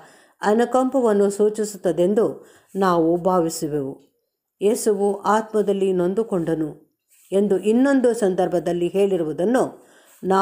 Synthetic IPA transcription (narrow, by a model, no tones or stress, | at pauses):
ɐnɐkɐmpɐʋɐnːusuːt͡ʃisut̪ːɐd̪e̞nd̪u | naːʋubʱaːʋisiʋeʋu | je̞ːsuʋuʔaːt̪mɐd̪ɐlːino̞nd̪ukoɳɖɐnu | e̞nd̪uʔinːo̞nd̪usɐnd̪ɐɾbʱɐd̪ɐlːiɦe̞ːɭiɾuʋud̪ɐnːu | naː